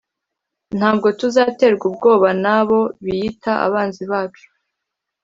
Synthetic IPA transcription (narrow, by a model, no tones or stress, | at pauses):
n̥haːb̚ɡo̞tuzaːte̞ːɾɡub̚ɡo̞ːβanaβo̞βijitaʔa̰βaːnziβaːjo̥